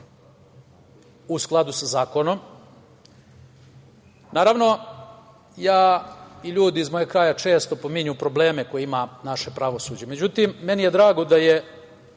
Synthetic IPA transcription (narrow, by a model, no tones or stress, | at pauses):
usklˠad̪usazaːko̞no̞m | naːɾaʋno̞ | jaːiʎuːd̪iizmojekɾaːjat͡ʃe̞ːst̪o̞po̞miɲupɾo̞ble̞ːme̞ko̞jeimanaʃe̞pɾaʋo̞suːd͡ʑe̞me̞d͡ʑut̪imːe̞nijed̪ɾaːɡo̞d̪aje